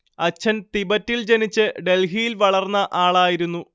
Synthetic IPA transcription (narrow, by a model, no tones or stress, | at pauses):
ɐt͡ɕʰːɐnt̪ibɐtːild͡ʑe̞nit͡ɕːɨɖe̞lɦijilʋɐɭɐrnːɐʔaːɭaːjiɾunːu